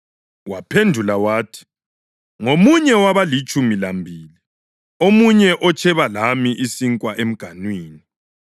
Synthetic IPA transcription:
wapʰendʱulawaːtʰi̥ | ŋomuɲɛwaβalit͡ʃʼumilambʱiːli | omuɲɛʔɔt͡ʃʰʼɛβalamiʔisiŋkʼwaʔem̩ɡ̥ʱanwiːni

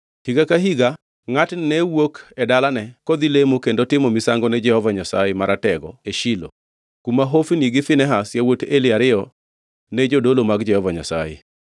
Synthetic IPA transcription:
hiɡakaɦiɡa | ŋatnɛwokɛdalanɛkɔd̪ilemokendotɪmomisaŋɡɔnɛd͡ʒɛhɔvaɲasajɛmaɾʔatɛɡɔ̰eʃilo̰ | kumaɦofiniɡɪfɪnɛɦasjawotelɪaɾɪɔ | nɛd͡ʒodolomaɡd͡ʒɛhɔvaɲa̰sa̰jḛ

